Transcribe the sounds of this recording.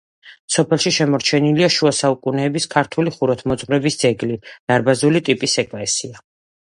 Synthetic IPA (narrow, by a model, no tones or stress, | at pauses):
sɔpʰɛlˠʃiʃɛmɔɾt͡ʃʰɛniliaʃuasaukʼunɛːbiskʰaɾt̪ʰuliχuɾɔt̪ʰmɔt̪sʼmɾɛbisd̪zɛɡlid̪̥aɾbazulit̪ʼipʼisɛkʼvɛsia